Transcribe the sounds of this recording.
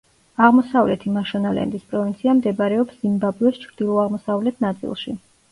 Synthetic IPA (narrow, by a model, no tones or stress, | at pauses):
aʁmɔsavlɛt̪ʰimaʃɔnalɛ̰nd̪ispʼɾɔvint̪sʰiamd̪ɛbaɾɛɔpszimbabuɛst͡ʃʰɾd̪̥ilˠɔaʁmɔsavlɛt̪ʰnat̪sʼḭlˠʃḭ